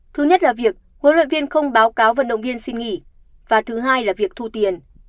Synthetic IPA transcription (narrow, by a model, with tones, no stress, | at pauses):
t̪ʰɨ˨˦ɲə˦˥t̚laː˨˩vi˨˩ək̚ku˨˦nlwə̰˧˨nvi˧ənxə˧wŋ͡mɓaː˨˦wkaː˨˦wvə̰˧˨nɗə̰˧˨ŋ͡mvi˧ənsi˧nŋḭ˧˨ | vaː˨˩t̪ʰɨ˨˦ɦaː˧jlaː˨˩vi˨˩ək̚t̪ʰu˧t̪i˨˩ən